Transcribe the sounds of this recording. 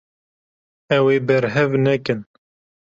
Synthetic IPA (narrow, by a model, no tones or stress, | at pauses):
ɛweːbɛɾɦɛvnɛkɨn